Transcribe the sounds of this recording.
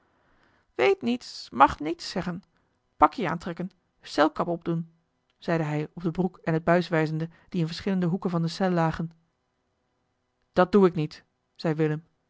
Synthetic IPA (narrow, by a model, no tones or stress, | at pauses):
ʋejtnitsmɑχnitsːɛχən | pɑkjəa̰ːntrɛkən | sɛlˠkɑpɔb̚dun | z̥ɛjdəɦɛjɔb̚dəbrukɛnɦəd̚bœɥsʋɛjzəndə | d̥iɪnvəɹsχɪləndəɦukənvɑndəsɛlːaːχən | d̥ɑt̚d̥uɪknit | z̥ɛjʋɪləm